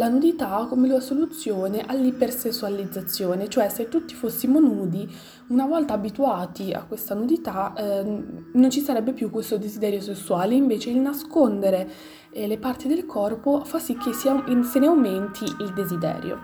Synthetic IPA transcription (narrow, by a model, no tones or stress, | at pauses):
lanud̪it̪akːomeluasolut̪sːjoːneʔalːipersesːualid̪zːat̪sːjoːnet͡ʃoɛset̪ːut̪ːifosːimonuːd̪i | unavɔlt̪aːbit̪uaːt̪ia̰kːwest̪anud̪it̪a | nont͡ʃisaɾɛbːepjukːwest̪od̪ezid̪ɛːɾjosesːuaːleiɱveːt͡ʃeilnaskond̪eɾe | lepart̪id̪elkʰɔrpofasːik̟ːesaseneawment̪ʰiild̪ezid̪ɛ̰ːɾjo̰